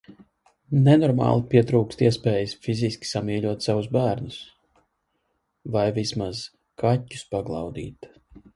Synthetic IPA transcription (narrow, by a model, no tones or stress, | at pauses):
nɛnɔɾmɑ̰ːlˠipʲiɛt̪ɾuːkst̪iɛspɛːjɨsfizʲiskʲi̥samiɛʎʲuɔt̪savusbæːɾnus | vajvismaz̥ | kʰatʲːu̥spaɡlˠɑ̰wd̪ḭːt̪